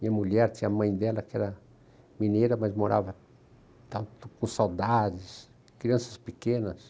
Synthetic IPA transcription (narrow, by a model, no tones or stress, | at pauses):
mĩɲɐmuʎɛɾt̪ĩɲɐmɐ̃j̃d̪ɛlɐkɪɛɾɐ | minejɾɐmɐzmoɾʔa̰vɐ | t̪ɐ̃nt̪ʊ̥kõsawd̪ad͡ʒɪs | kɾiɐ̃sɐspɪkẽnɐs